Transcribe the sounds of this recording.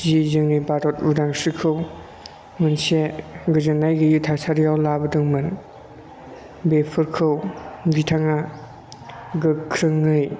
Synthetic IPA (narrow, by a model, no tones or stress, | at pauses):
zizɯŋnibaɾɔt̚udaŋsɯkʰɯw | mɯnseɡɯzɯnːajɡɯjutʰasʰaɾijawlabɯdɯŋmɯn | bepʰɯɾkʰɯwɡitʰaŋa | ɡɯkʰɾɯŋːɯj